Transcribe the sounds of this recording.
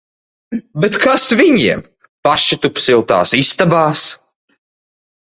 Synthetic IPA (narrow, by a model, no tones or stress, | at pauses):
bet̪kʰasviɲiɛm | paʃit̪upsilˠt̪a̰ːsist̪abaːs